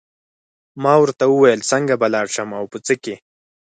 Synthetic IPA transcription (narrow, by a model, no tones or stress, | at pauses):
mɑwəɾt̪awuwajəlt͡səŋɡabalɑɽʃamawpət͡səke